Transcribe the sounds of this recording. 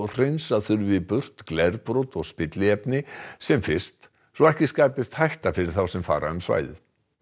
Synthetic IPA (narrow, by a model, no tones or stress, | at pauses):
r̥ejnsaðθʏɾvɪpʏr̥t̪klɛɾpɾɔwt̪ɔɣspɪt̪lɪɛpnɪsɛmfɪr̥st̪ | sɔɛhcɪskaːjpɪst̪hajht̪afɪɾɪɾ̥θawsɛmfa̰ːɾaʏmsva̰ːjðɪ̰